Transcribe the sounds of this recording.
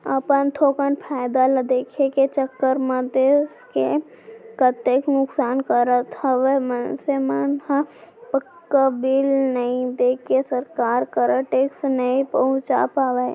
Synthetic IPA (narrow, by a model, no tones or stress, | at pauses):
ə̰pənt̪ʰoːkənpʰaːjd̪aləd̪eːkʰeket͡ʃəkːəɾməd̪eske | kət̪eknʊksaːnkəɾət̪əʋemənsemənhəpəkː | əbilnəĩd̪eːkʰesəɾkaːɾkəɾəʈeːksnəĩpəɦʊ̃t͡ʃa̰paʋe